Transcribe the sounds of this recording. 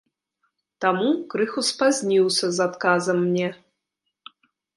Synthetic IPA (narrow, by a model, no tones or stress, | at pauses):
t̪amukɾɨxuspazʲnʲiwsʲɐzat̪kazɐmːnʲɛ